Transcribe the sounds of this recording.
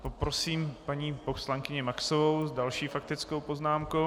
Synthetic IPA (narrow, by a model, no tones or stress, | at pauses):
popɾo̞siːmpaɲiːposlaŋkɪɲɛmaksovowzdalʃiːfakt̪ɪt͡sko̞wpo̞znaːmko